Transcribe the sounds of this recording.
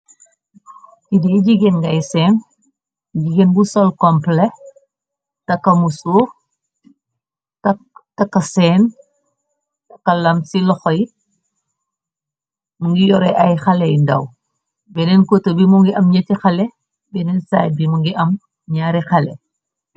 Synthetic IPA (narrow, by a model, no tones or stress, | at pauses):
kidɛɟiɡenɡɐjsɛːn | ɟiɡenbusɔlkɔmplɛ | tɐkːɐmusuːɾ | tɐktɐkːɐsɛːn | tɐkːɐlɐmsilɔxɔj | muŋɡijɔɾɛʔɐjxɐlɛjndɐ̰w | bɛnɛnkotəbimuŋɡiʔɐmɲɐtixɐlɛ | bɛnɛnsaːjt̚bimuŋɡiʔɐm | ɲaːɾixɐlɛ̰